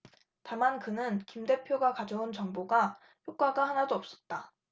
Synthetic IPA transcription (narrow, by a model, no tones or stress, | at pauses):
tamankɯnɯnkimde̞pʰjoɡakad͡ʑʌunt͡ɕʌŋboɡa | çjok͈aɡahanadoʌp̚s͈ʌ̥t̚t͈a